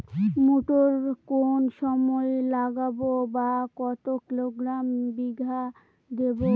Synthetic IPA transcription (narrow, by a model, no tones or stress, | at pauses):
moʈoɾkonʃɔmɔelaɡabobakɔt̪okiloɡɾambiɡʱa | d̪ebo